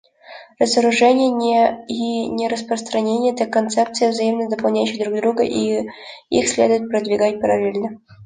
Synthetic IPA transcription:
rəzəɾuʐɛnʲɪjəinʲerəspɾəst̪ɾɐnʲenʲɪjət̪akːont̪sɛp̚t̪sɨjəvzɐjimnəd̪əpɑlˠnʲæjʉɕːɪd̪ɾuɡd̪ɾuɡə̰ʔi | ḭxsʲlʲed̪ʊjʊt̪̚pɾəd̪vʲɪɡat̚ʲpəɾɐlʲelʲnə

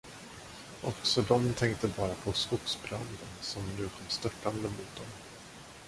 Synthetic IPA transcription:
ʔɔksɔd̪ɔmt̪ʰɛŋk̚t̪əbɑːɾapʰɔskʊksbɾand̪ənsɔmnʉ̟ːkʰɔmːst̪œʈːand̪əmʊt̪̚d̪ɔm

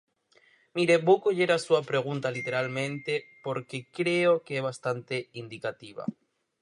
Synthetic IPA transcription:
miɾebokoʝeɾasuapɾeɣ̞unt̪alit̪eɾalmẽnt̪epoɾkekɾeokeeβ̞ast̪ant̪eind̪ikat̪iβ̞a̰

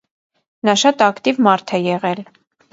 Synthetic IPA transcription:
nɑʃɑt̪ɑkt̪ivmɑɾt̪ʰɛjɛʁɛl

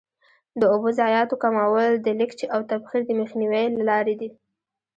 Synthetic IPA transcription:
d̪əobozɑjɑt̪okamawəld̪əlɪkt͡ʃiawt̪abxiɾd̪əmexniwejlalɑɾed̪i

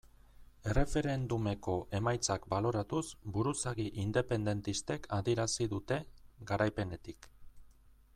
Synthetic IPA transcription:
e̞re̞fe̞ɾe̞nd̪ume̞ko̞ʔe̞majt͡sakbalo̞ɾat̪usbuɾusaɣiʔind̪e̞pe̞nd̪e̞nt̪ist̪e̞kʰaðieɾasiðut̪e̞ɡaɾajpe̞ne̞t̪ik

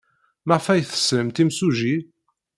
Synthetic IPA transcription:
maʁfæjθə̥sləmt̪imsuʒi

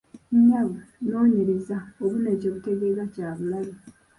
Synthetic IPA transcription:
ɲaβuno̞ːɲeɾezaoβunecoːβuteɡezacaːβulali

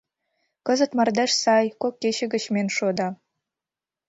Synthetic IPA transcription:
kɤ̆zə̆t̪mɑrd̪ɘ̆ʃsɑjkokːeɕɘ̆ɡɘ̆ɕmʲenʃod̪ɑ

